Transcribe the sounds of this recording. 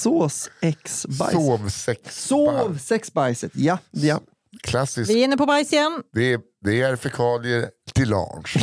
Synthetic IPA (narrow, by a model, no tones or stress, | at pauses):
soːsɛksba̰oːvsɛkssoːvsɛksbajsət̪jaja | kʰlasːɪsvɪɪnːəɾpʰɔbajsɪɛnd̪̥ɛ | d̪ɛæɾfɛkʰɑːlɪət̪ʰɪlɑ̰ːɳʂ